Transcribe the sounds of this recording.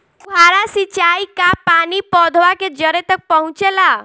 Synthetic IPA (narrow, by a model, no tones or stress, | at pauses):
aːɾasit͡ʃaːikapaːnipɔd̪ʱʋaked͡ʒəɾet̪ək̚pəɦʊ̃t͡ʃela